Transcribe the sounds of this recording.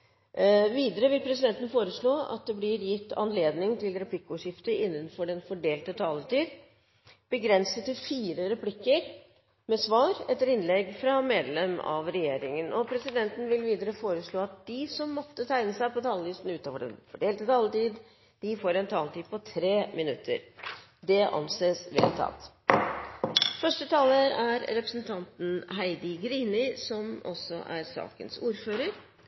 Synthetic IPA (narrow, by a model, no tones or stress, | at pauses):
ʋiːd̪əɾəʋɪlpʰɾɛs̬ɪd̪ɛnt̪ən̩foːɾəʂɭoːɑ̰t̪̚d̪ɛblɪɾjɪt̪ːɑ̰nleːd̪nɪŋt̪ʰɪlɾɛpʰlɪkːʊʂɪft̪əɪnːənfɔɖɛnfɔɖeːlt̪ət̪ʰɑːlət̪iːd̪ | b̥əɡɾɛnsət̪ːɪfiːɾəɾɛpʰlɪkːəɾ | mɛsʋɑːɾɛt̪ːəɾɪnlɛɡfɾɑmeːd̪lɛmɑ̰ʋɾɛjeːɾɪŋənʔɔpʰɾɛsɪd̪ɛnt̪n̩ʋɪlʋiːd̪əɾəfoːɾəʂɭoːɑt̪̚d̪ɪsɔmːɔt̪ːət̪ʰæɪnəsæɪpɔt̪ʰɑːlʋɪst̪n̩ʉːt̪ɑʋɔɖɛ̰nfɔɖeːlt̪ət̪ʰɑːlt̪iːd̪ | d̪̥ɪfoːɾɛnt̪ʰɑːlt̪iːd̪pʰɔt̪ʰɾeːmɪnʉt̪ʰːə̰ɾ | d̪ɛʔɑ̰nseːsʋḛːlt̪ʰɑ̰t̪ | fœʂʈət̪ʰɑːləɾæɾɾɛpɾəsn̩t̪ʰɑnt̪n̩ɦæɪd̪ɪɡɾiːnɪsɔmɔ̰sːɔ̰ʔæ̰ɾsɑ̰ːkə̰nsuːɾføːɾəɾ